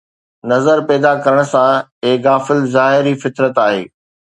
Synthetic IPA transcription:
nɐzəɾpɛːd̪akɐɾəɽ̃̆sãeɣaːfɪlzaːɦɪɾifɪt̪ɾət̪aːɦḛː

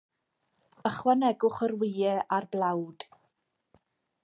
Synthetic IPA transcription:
əχwanɛɡʊχərwɪjɛʔarblˠawd̥

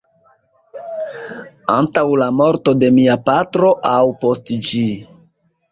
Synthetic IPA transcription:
a̰ntawlamo̞ɾto̞de̞miapatɾo̞ʔawpo̞std͡ʒi

